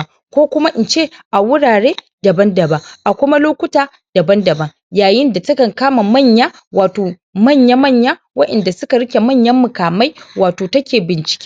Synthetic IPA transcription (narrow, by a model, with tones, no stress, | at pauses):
kʷoː˦kʷʊ˦ma˦ʔɪ˨nt͡ʃeː˦˨ʔa˨wʊ˦ɽaː˨ɽeː˦ | dɐ˨bɐ˦ndɐ˨ba˦ʔa˨kʷʊ˦ma˦loː˦kʷʊ˦taː˨ | d̥ɐ˨bɐ˦ndɐ˨bɐ˦ŋ | jaː˨jɪ˦nda˨tɐ˦kɐ˨ŋkaː˦ma˨mɐ˦˨ɲjaː˦ | waː˨toː˨ | mɐ˦˨ɲja˦mɐ˦˨ɲja˦ | wɐ˦ʔɛ˨nda˨sʊ˦ka˨ɽɪ˦kʲe˨mɐ˦˨ɲjɐ˦mːʊ˨kaː˨ma˦jwaː˨toː˨tɐ˦kʲeː˨bɪ˨nt͡ʃɪ̥˨kʲe̥˦